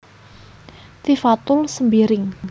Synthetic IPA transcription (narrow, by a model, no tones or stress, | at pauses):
t̪ifat̪ʊlsəmbiɾɪŋ